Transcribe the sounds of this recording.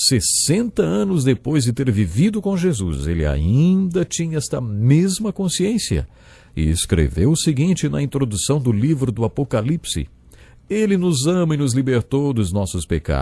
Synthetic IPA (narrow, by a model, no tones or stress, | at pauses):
sesẽnt̪ɐɐ̃nʊzd̪epojzd͡ʒɪt̪eɾvivid̪ʊkõʒezuzelɪa̰ĩd̪ɐt͡ʃĩɲɐɛst̪ɐmezmɐkõsiẽsiɐ̰ | ɪ̰ḛskɾḛvewʊsɪɡĩnt͡ʃɪnɐĩnt̪ɾod̪usɐ̃w̃d̪ʊlivɾʊd̪ʊapokalipsɪ̰ | elɪnʊzɐ̃mɐɪnʊzlibeɾt̪owd̪ʊznɔsʊspeka̰